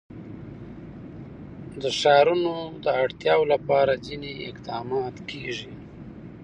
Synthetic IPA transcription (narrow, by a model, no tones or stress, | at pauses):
d̪əʃɑɾunod̪əaɽt̪jɑwolapɑɾazineɪqd̪ɑmɑt̪kʰeʐi